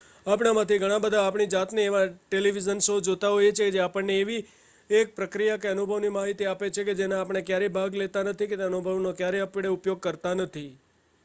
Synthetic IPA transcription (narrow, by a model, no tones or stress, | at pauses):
apɳamãt̪ʰiɡʱəɽ̃ãbəd̪ʱaːpɳ̃id͡ʒat̪neːʋaʈeliʋizənsod͡ʒot̪aɦojet͡ʃʰeked͡ʒeapəɳneːʋi | ek̚pɾəkɾijakeənubʱəʋnimaɦit̪iapet͡ʃʰeked͡ʒenãapɳ̃ekjaɾebʱaɡlet̪anət̪ʰiket̪eənubʱəʋnokjaɾeəpiɽeupjoɡ̚kəɾt̪anət̪ʰi